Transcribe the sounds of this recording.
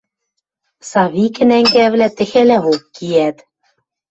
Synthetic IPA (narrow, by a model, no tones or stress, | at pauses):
sɑβikɘ̆næŋɡæβlæt̪ɘ̆xɘ̆læokːijæt̪